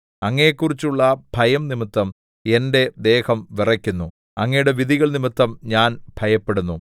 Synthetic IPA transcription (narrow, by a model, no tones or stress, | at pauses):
ɐŋːɐjekːurit͡ɕːuɭːɐb̥ʱɐjɐmnimit̪ːɐm | e̞nde̞d̪e̞ːhɐmʋirɐkʲːunːu | ɐŋːɐjuɽe̞ʋiðiɣɐɭnimit̪ːɐmɲaːnb̥ʱɐjɐpːe̞ɽunːu